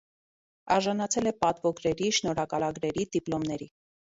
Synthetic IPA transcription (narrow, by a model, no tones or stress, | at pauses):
ɑɾʒɑnɑt͡sʰɛlɛpɑt̪vɔɡɾɛɾiʃnɔɾɑkɑlɑɡɾɛɾid̪iplɔmnɛɾi